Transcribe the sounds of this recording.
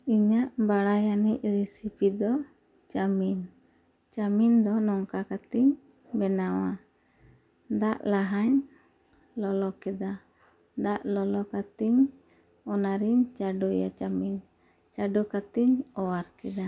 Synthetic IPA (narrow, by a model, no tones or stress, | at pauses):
iɲaʔbaɽajaniʔɾɛsipid̪ɔt͡ʃamint͡ʃamind̪ɔnɔŋkakat̪iɲbɛnawa̰ | d̪aʔlaɦaɲ | lɔlɔkɛd̪ad̪aʔlɔlɔkat̪iɲ | ɔnaɾiɲt͡ʃaɖɔja̰t͡ʃamint͡ʃaɖukat̪iɲɔwaɾkɛd̪a